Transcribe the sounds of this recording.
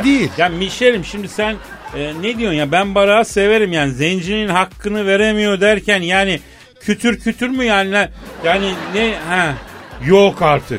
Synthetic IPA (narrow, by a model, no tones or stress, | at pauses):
d̪ejilʲjaːnmiʃelʲimʃimd̪isæn | ɛːed̪ijo̞ɾjabænbaɾaase̞ve̞ɾimjaːnizɛnd͡ʒininɦakʰːɯnɯve̞ɾemijo̞d̪æɾcʰænjaːni | cʰyt̪ʰyɾcʰyt̪ʰyɾmyjaːninɛjaːninɛhɛjokaɾt̪ʰɯk